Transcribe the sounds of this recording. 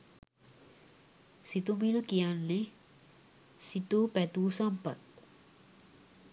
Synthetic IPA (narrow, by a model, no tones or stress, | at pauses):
sit̪uminəkijanle | sit̪upɛt̪usɐmpɐt̪̚